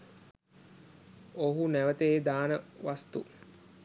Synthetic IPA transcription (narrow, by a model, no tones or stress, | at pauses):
oɦunæʋət̪eːd̪aːnəʋast̪ṵ